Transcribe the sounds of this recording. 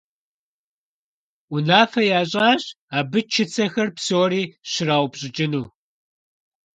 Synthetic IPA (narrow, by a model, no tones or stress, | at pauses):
ʊnaːfɐjaːɕ̬ʼaːɕ | aːbɨt͡ʃʰɪt͡sʰɐxɐrpsoːɾiːɕɪraːwʷbɕʼɪt͡ʃʼɪnuː